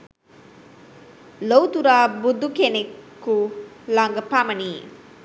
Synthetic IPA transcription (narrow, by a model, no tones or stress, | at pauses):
lowt̪uɾaːbud̪ːukenekː | ulɐŋɡɐpamɐniː